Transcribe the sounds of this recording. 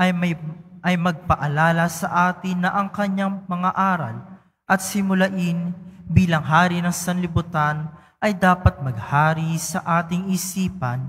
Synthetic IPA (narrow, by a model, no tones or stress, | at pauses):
ʔɐjmɐjʔɐjmɐɡ̚pɐʔɐlaːlɐsɐʔaːt̪ɪnːɐʔɐŋkɐɲːaŋmɐŋaʔaːɾɐ̰l | ʔɐt̪̚sɪmʊlɐʔɪnbiːlɐŋɦaːɾinɐŋsɐnlɪbʊt̪an | ʔɐjd̪aːpɐt̪̚mɐɡ̚haːɾisɐʔaːt̪ɪŋɪsiːpɐn